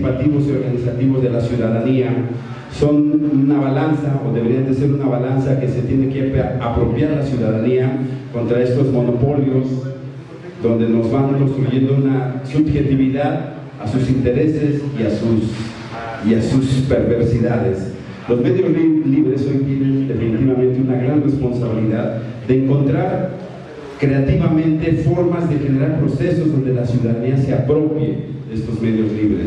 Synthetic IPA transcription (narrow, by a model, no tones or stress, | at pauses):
pat̪iβo̞so̞ɾɣanisat̪iβo̞zðe̞lasjuðaðania | so̞nunaβalansaoðeβe̞ɾiand̪ese̞ɾunaβalansake̞set̪je̞nekeapɾo̞pjaɾlasjuðaðaniako̞nt̪ɾae̞st̪o̞zmo̞no̞po̞ljo̞s | d̪o̞nd̪e̞no̞zβaŋko̞nst̪ɾuʝe̞nd̪ounasubxe̞t̪iβiðað | asusint̪e̞ɾe̞se̞siasus | iasuspe̞ɾβe̞ɾsiðaðe̞s | lo̞zme̞ðjo̞zliβɾe̞sojt̪jenend̪e̞finit̪iβamẽnt̪eunaɣɾanre̞spo̞nsaβiliðaððe̞ːŋko̞nt̪ɾaɾ | kɾe̞at̪iβamẽ̞nt̪e̞fo̞ɾmazðe̞xe̞ne̞ɾaɾpɾo̞se̞so̞zðo̞nd̪e̞lasjuðaðaniaseapɾo̞pjḛe̞st̪o̞zme̞ðjo̞zliβɾes